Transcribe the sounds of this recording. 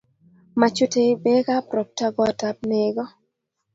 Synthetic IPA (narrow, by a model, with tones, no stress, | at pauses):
ma˨t͡ʃo˦te˨˦be˦ka˦pɾɔ˨p̚ta˦ɡɔ˦˨ta˨p̚ne˨ɡɔ˦